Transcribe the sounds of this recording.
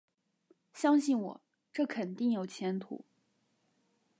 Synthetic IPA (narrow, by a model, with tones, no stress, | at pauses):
ɕjɑ˥ŋɕi˥˩nwɔ̰˨˩˦ | ʈ͡ʂɤ˥˩kʰə˨˩nt̪i˥˩ŋjo˨˩ʊt͡ɕʰjɛ˧˥nt̪ʰṵ˨˩˦